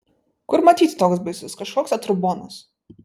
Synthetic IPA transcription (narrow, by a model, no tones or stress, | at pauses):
kʊɾmɐt̪ʲiːt̪ʲt̪oːks̬bɐɪsʲʊskɐʃkoːksɐt̪ɾʊboːnɐs